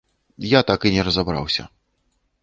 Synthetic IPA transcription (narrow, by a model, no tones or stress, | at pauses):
jat̪akɨnʲɛɾɐzabɾa̰wsʲɐ̰